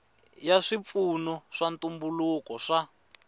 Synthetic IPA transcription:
jaʂip̪funuʂantumbulukɔʂa

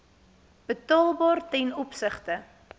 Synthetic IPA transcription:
b̥ətɑlˠbɑːrtɛnɔpsəχtə

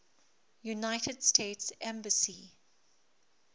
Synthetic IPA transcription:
junaɪtʰədstʰeːtsɛ̃mbəsi

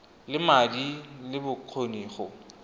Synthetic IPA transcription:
lɪmadilɪbʊkʰoniːχɔ

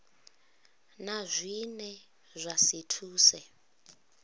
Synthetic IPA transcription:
nazʷinɛ | zʷasitʰuːsɛ

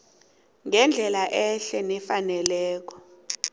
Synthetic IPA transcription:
ŋɛnd͡ɮʱɛlaʔɛɬɛnɛfanɛlɛːk̬ɔ

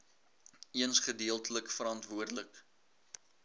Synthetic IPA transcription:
iənsχədiəlˠtələkfəɾɑntvuərdələk

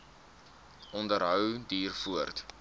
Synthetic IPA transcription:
ʔɔndəɾɦœwdiːrfuərt

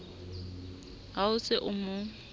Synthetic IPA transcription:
ɦaʊsɪʔʊmʊ

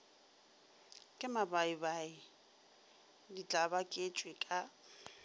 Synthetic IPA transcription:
kʼɪmabaibaɪ | dit͡ɬʼabakʼet͡ʃʼwɪkʼa

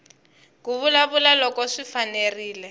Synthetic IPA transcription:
k̬uβulaβulalɔkɔʂifaneriːlɛ

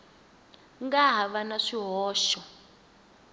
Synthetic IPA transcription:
ŋɡaɦaβanaʂiɦɔːʃɔ

